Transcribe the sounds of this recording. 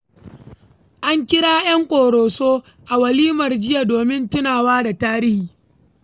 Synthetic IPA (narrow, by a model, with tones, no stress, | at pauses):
ʔa˦ŋkʲɪ˦ɽaː˦jɐ˦ŋkʷʼoː˨ɽoː˨soː˦ | ʔa˨wɐ˨liː˦mɐ˨rd͡ʒɪ˦ja˨doː˨mɪ˦ntɪ˦naː˨waː˦da˨taː˦ɾɪ˦hiː˨